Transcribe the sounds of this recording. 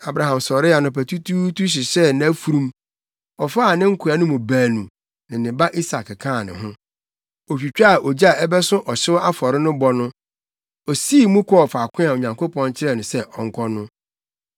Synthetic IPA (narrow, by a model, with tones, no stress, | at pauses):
a˨bɾa˨ɦã˨msɔ˨ɾɪ˦a˨nʊ̃˨pæ˨tʰu˦tʰu˦tu˦ɕ̬ɪ˨ɕɛ˦nã˨˦fu˨ɾũ˦m | ɔ˨fa˦˨nɪ̃˦ŋ̩˦kʰʊ˨a˨˦nʊ̃˦mʊ̃˨bãː˨nũ˨ | nɪ̃˨nɪ̃˨ba˦ʔi˦sa˨kkʰãː˦˨nɪ̰̃˨ɦʊ̃˦ | ɔ˨fᶣi˨t͡ɕᶣa˦˨ʔɔ˨d͡ʑi˦a˦˨ɛ˦bɛ˦sʊ̃˦ʔɔ˨ɕɪ˦wa˦fɔ˨ɾɪ˦nʊ̃˦bɔ˨˦nʊ̃˦ | ɔ˨si˦˨mũ˦kʰɔ˦ɔ˨fa˨kʷʰɪ̃˦a˨o˨ɲã˨ŋko˦pɔ̃˦n˦t͡ɕʰɪ˦ɾɛ˦˨nʊ̃˨sɛ˦ʔɔ˨ŋ̩˦kʰɔ˦nʊ̃˦